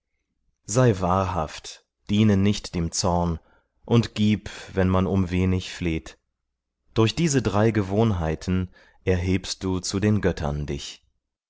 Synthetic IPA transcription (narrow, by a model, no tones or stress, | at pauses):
z̥aɪvaːɐɦa̰ft | d̥iːnənɪçtd̥eːmt͡sɔɐn | ʔʊntɡ̥iːpvɛnmanʊmveːnɪçfleːt | d̥ʊɐçd̥iːzədʁaɪɡəvoːnɦaɪtʰn̩ | ʔɛɐɦeːpst̚d̥uːt͡sudeːnɡœtʰɐ̰ndɪ̰ç